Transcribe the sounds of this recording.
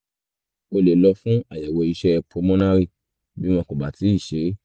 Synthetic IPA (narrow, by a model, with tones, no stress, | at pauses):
o˧le˨lɔ˧fũ˦a˦˨jɛ˨wɔ˧i˧ʃɛ˦˧pʰo˨˧˦mɔ̃˦nã˦ɾi˦˨ | bi˨˦m̃ɔ̃˧ko˨ba˨ti˨˦i˦˨ʃe˨˦